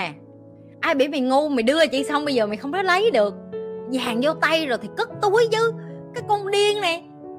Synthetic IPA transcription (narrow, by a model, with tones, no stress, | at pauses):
ʔaː˧jɓḭ˧˩˦mi˨˩ŋu˧mi˨˩ɗɨ˧ə˨˩t͡ɕḭ˧˨sa˧wŋ͡mɓə˧jzəː˨˩ma˨˩ŋxə˧wŋ͡mkɔ˨˦˥lə˨˦jɗɨ˨˩ək̚zaː˨˩ŋzɔ˧t̪a˧jzo˨˩jt̪ʰi˨˩kə˦˥t̚t̪u˨˦əjzɨ˨˦kaː˨˦jkɔ˧ŋɗi˧ənna˨˩